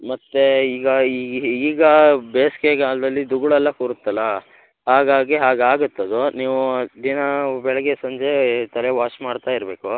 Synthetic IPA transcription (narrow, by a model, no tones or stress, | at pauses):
mɐt̪ːeiːɡɐiːiːɡɐbeːskeɡaːɭd̪ɐlːid̪uɡɭɐlːɐkuɾut̪ːɐlːɐ | ɦaːɡaːɡiɦaːɡaːɡut̪ːɐd̪uniːʋud̪inɐbɛɭɛɡesɐɲd͡ʒet̪ɐleʋaːʂmaːɖt̪aːiɾbe̞ːku